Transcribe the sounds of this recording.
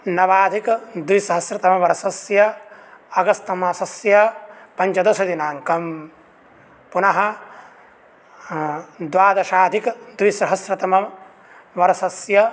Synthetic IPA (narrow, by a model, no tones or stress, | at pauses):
nɐʋaːd̪ʱikd̪ʋisɐɦɐsɾɐt̪ɐmɐʋɐɾɐsɐsjɐɐɡɐst̪ɐmaːsɐsjɐpɐɲt͡ʃɐd̪ɐsɐd̪inaːŋkɐm | punɐɦɐ | d̪ʋaːd̪ɐʃaːd̪ʱikd̪ʋisɐɦɐsɾɐt̪ɐmɐ | ʋɐɾɐsɐsjɐ